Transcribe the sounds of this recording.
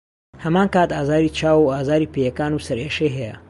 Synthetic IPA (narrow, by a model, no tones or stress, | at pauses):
hɐmaːnkaːt̪aːzaːɾiːt͡ʃʰaːwuaːzaːɾipejɐkaːnusɐɾeːʃejɦɛjɐ̰